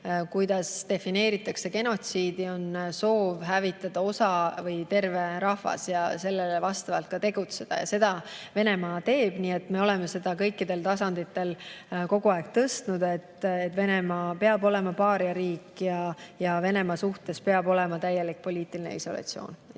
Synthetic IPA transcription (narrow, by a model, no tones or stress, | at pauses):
kujd̪̥ɑst̪e̞fine̞ːɾit̪ːˑɑkse̞ke̞no̞t̪siːd̪̥io̞nso̞ːvɦævit̪ːˑɑd̪̥ɑo̞sɑvɤjt̪e̞rve̞ɾɑhvɑ̰sjɑse̞lːelevɑst̪ɑvɑlt̪̚kɑt̪e̞ɡ̥ut̪se̞d̪̥ɑ̰jɑ̰se̞d̪̥ɑve̞ne̞mɑːt̪e̞ːb̥niːe̞t̪ːˑme̞o̞lɛme̞se̞d̪̥ɑkɤ̞jkːˑid̪e̞lt̪ɑsɑnd̪̥it̪ːˑe̞lko̞ɡ̥uɑeɡ̚t̪ɤst̪nud̪e̞t̪ːet̪ːve̞ne̞mɑːpe̞ɑbo̞le̞mɑpɑːɾjɑɾiːkjɑjɑve̞ne̞mɑsuht̪e̞spe̞ɑbo̞lɛ̞mɑt̪æjːelik̚po̞lʲiːt̪ˑilinḛiso̞lɑ̰t̪sio̞̰ːn